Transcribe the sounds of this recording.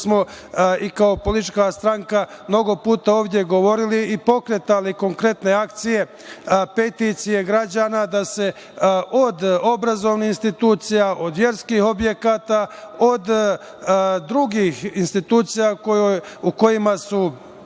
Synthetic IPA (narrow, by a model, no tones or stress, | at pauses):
smo̞ | ikao̞po̞lit̪t͡ʃkast̪ɾaŋka | mno̞ɡo̞puːt̪ao̞ːʋd̪je̞ɡo̞ʋo̞ɾiliːpo̞kɾe̞t̪aliko̞ŋkɾe̞t̪ne̞ak̚t̪sije̞ | pe̞t̪it̪sije̞ɡɾad͡ʑaːnad̪ase̞ | ʔo̞d̪o̞bɾazo̞ʋnihinst̪it̪uːt̪sijaʔo̞d̪ʋje̞ɾskiːho̞bje̞kaːt̪ao̞d̪ | d̪ɾuɡiːxinst̪it̪uːt̪sijakouko̞jimasu